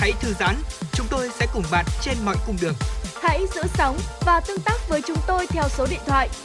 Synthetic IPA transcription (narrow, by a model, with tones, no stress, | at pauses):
ha̰˧˥jt̪ʰɨ˨˦zaː˨˦nt͡ɕʊ˨˦ŋ͡mt̪o˧jsɛ̰˧˥kʊ˧˩ŋ͡mɓaː˨˩t̚t͡ɕe˧nmɔ̰˧˨jkʊ˨˧˩ŋ͡mɗɨ˨˩əŋha̰˧˥jzɨ̰˧˥sa˨˦wŋ͡mvaː˨˩t̪ɨ˧əŋt̪aː˦˥k̚vəː˨˦jt͡ɕʊ˨˦ŋ͡mt̪o˧jt̪ʰɛ˧wso˨˦ɗḭ˧˨ənt̪ʰwa̰ː˧˨jʔ